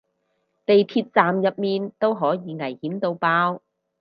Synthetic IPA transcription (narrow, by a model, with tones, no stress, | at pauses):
t̪e˨jt̪ʰiː˧t̚t͡saː˨mjɐ˨p̚miː˨˧nt̪o˥wɦɔː˨˥jiː˨˧ŋɐ˨˩jhiː˨˥nt̪o˧wpaː˧˥w